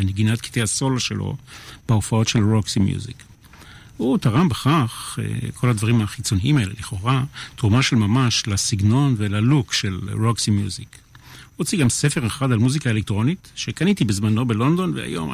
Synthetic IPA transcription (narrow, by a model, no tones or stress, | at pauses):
eneɡinat̪ki̥t̪ehaso̞laʃelo̰b̥eofao̞tʃe̞lʁoksimjṵzḭk | hut̪aʁambeχaχḛkʰo̞lad̪vaʁimaχit͡so̞niimae̞lḛleχo̞ʁat̪ʁumaʃe̞lmamaʃlasiɡno̞nvelalukʃelʁoksimjuzik | ʁot͡siɡamse̞fe̞ʁeχadalmuzikae̞lek̚t̪ʁo̞nitʃekanit̪ibezmano̞belo̞nd̪o̞nvea̰jo̞̰m